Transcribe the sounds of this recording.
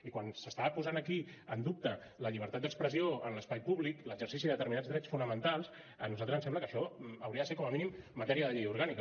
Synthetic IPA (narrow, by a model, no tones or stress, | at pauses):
ikwansəst̪aəpuzanəki | ənd̪up̚t̪ə | ləʎiβəɾt̪at̪d̪əkspɾəzioənləspajpuβlikləɡzəɾsisiðəət̪əɾminad̪d͡zd̪ɾɛt͡sfunəmənt̪alˠs | ənuzalˠt̪ɾəzənsɛmbləkəʃɔəwɾiəðəseɾkɔməminimmːət̪ɛɾiəðəʎejuɾɣ̞anik